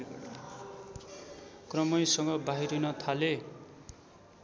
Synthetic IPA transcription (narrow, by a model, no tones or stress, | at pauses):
krʌmʌjsʌŋɡʌbaɦiɾʌnʌt̪ʰale